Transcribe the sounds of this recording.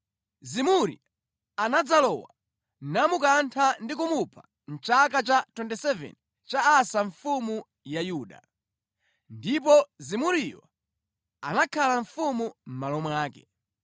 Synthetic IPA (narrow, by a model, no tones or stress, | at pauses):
zimuɾḭ | anad͡zalɔwa | namukantʰandik̬umupʰḁ | n̩t͡ʃakat͡ʃatwɛntɛsɛvɛ̰n | t͡ʃaːsaɱfumu | jajuːɗa̰ | ndip̬ɔzimuɾija̰ | a̰nakʰalaɱfumum̩malɔmwaːkɛ̥